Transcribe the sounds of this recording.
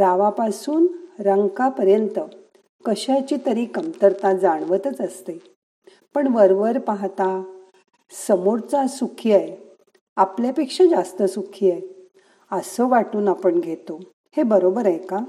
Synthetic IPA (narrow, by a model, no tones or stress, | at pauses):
ɾaʋapasuːnɾəŋɡkapəɾjənt̪ə | kəɕjat͡ɕiːt̪əɾikəmt̪əɾt̪ad͡zaɳ̃ʋət̪ət͡səst̪e | pəɳʋəɾʋəɾpaɦt̪a | səmuɾt͡sasukʰiaje | apljapekʂãd͡zast̪əsukʰiːaj | əsəʋaʈuːnapəɳɡʱet̪o | hebəɾobəɾajka